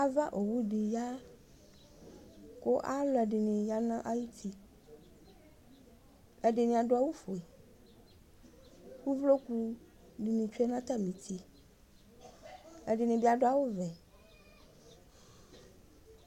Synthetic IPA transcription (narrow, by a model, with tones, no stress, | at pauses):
a˦va˦ʔo˨wu˦ɖi˨ja˦ | ko˦ʔa˦lɔ˨˦ɛ˨ɖe˨nẽ˨ja˦nã˦ʔa˦ji˦t̪i˦ | ɛ˦ɖe˨nẽ˨a˨ɖo˦a˦wu˦fo˨e˨ | wu˦vlo˦ku˦ | di˨nĩ˨t͡ʃu˦ɛ˦nã˦t̪a˦mĩ˨t̪i˦ | e˨ɖe˨nẽ˨bi˦a˨ɖo˦a˨wo˦vɛ˨